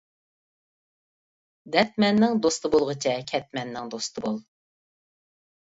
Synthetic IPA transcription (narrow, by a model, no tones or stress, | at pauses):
d̪ɛt̪̚mɛnːɪŋd̪ost̪ɨbolˠʁət͡ʃʰɛkʲʰɛt̪̚mɛnːɪŋd̪ost̪ʰɨbolˠ